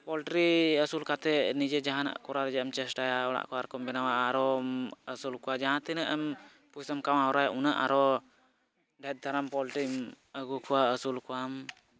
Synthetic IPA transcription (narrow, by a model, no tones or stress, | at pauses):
pɔlʈɾiəsulkat̪ɛnid͡ʒɛd͡ʒaɦana̰ʔkɔɾaɾɛd͡ʒɛamt͡ʃɛsʈajaɔɽa̰ʔkɔaɾkɔmbɛnawaːɾɔəsulkɔwad͡ʒaɦãt̪ɛnɛʔam | pusamkawaɦɔɾajaʔunaʔa̰ɾɔ | ɖʱɛt̪̚d̪ʱaɾampɔlʈɾi | əɡukuwaəsulkuwam